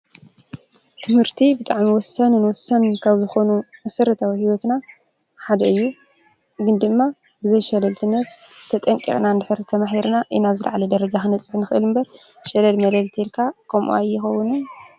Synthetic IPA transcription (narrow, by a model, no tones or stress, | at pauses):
t̪ʰɨmhɨɾt̪ʰibɨt̪ʼaʕmiwɔsːɐnnwɔsɐnkʰaβzɨxo̞numɐsɐɾɐt̪ʰawihiwot̪na | ħad̪ɐɨjːu | ɡɨnd̪ɨmːa | bɨzɐjʃɐlɐlt̪ʰɨnːɐt̪t̪ʰɐt̪ʼɐŋkʼḭxʼnand̪ɨħɨɾt̪ʰɐmaħiɾnaʔḭnaβzɨl̰ʕalɐd̪ɐɾɐd͡ʒaxɨnɐt͡sʼːɨħnɨxɨʔɨlɨmbɐɾ | ʃɐlɐlmɐlɐlt̪ʰelkʰakʰɐmʔṵajːɪxɐwːʊnɨn